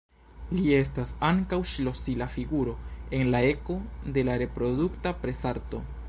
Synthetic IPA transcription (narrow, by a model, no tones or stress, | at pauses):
liestasaŋkawʃlo̞silafiɡuɾo̞e̞nlae̞ko̞de̞laɾe̞pɾo̞duktapɾe̞saɾto̞